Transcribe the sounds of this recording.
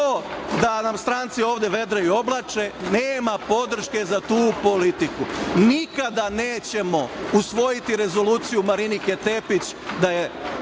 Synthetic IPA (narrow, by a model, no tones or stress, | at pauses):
od̪anamst̪ɾant̪sio̞ːʋd̪e̞ʋe̞d̪ɾeio̞blˠat͡ʃeneːmapo̞d̪ɾ̩ʃke̞zat̪uːpo̞lit̪ikunikad̪aneːt͡ɕe̞mo̞usʋo̞jit̪iɾe̞zo̞luːt̪sijumaɾiniket̪e̞pit͡ɕd̪aje